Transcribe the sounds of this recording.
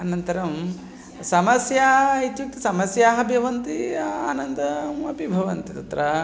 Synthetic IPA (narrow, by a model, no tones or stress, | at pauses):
ɐnɐnt̪ɐɾɐm | sɐmɐsjaːɦɐit̪juk̚t̪isɐmɐsjaːɦɐbʱjɐʋɐnt̪iaːnɐnd̪ɐmɐpibʱɐʋɐnt̪it̪ɐt̪ɾɐ